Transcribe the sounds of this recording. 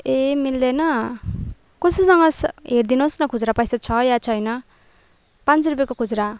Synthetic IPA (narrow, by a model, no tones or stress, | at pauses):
emild̪enʌ | kosisʌŋɡʌsɦeɾd̪inosnʌkʰud͡zɾapʌjsat͡sʰʌjat͡sʰʌjnʌ | pãnt͡srup̬jekokʰud͡zɾa